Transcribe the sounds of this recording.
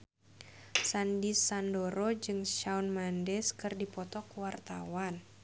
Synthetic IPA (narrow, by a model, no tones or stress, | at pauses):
sandisandoɾod͡ʒɨŋʃaunmandɛskɨrdipɔt̪ɔkwart̪awan